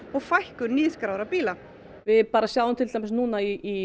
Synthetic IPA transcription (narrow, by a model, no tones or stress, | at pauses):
ɔɣfajhkʏɾniːskɾaːwɾapiːla | vɪðpaːɾasjawðʏmt̪ʰɪlt̪ajmɛsnuːnaiː